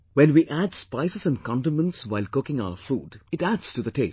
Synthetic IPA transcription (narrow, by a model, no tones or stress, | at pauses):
wɛ̃nwiʔædspaɪsəzə̃nkʰɑ̃ntə̃mə̃ntswaɪlkʊkɪ̃ŋa̰ʊəfṵːdɨʈædz̥tuðəte